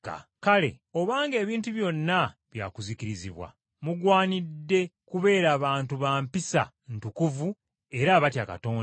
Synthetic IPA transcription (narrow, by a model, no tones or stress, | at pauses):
ka̰kale̞̰ | o̞βaːŋɡe̞ːβiːntuβjo̞nːaβja̰ːkuzikiɾiziβwa̰ | muɡwaːnidːe̞kuβe̞ːɾaːβaːntuβaːmpisa̰ | ntukuvu | e̞ɾaβatjaka̰to̞ːn